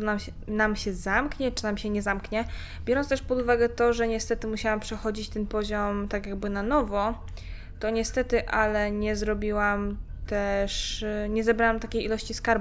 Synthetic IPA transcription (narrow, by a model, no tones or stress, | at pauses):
ɔnam | namɕɛzamkɲɛt͡ʂɘ̥namɕɛɲɛzamkɲɛ | bʲjɔɾɔnst̪ɛʂpɔd̪uvaɡɛt̪ɔʐɛɲɛst̪ɛt̪ɘmuɕawampʂɛxɔd͡ʑit͡ɕt̪ɛnpɔʑɔmt̪akʲjaɡbɘnanɔvɔ | t̪ɔɲɛst̪ɛt̪ɘʔalɛɲɛzɾɔbʲiwamt̪ɛʂɲɛzɛbɾawamt̪akʲejilɔɕt͡ɕiskaɾbu